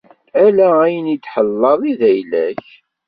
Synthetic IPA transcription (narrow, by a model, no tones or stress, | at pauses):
ælææjənid̪ħəlːɑðˤiðæjlæ̰çç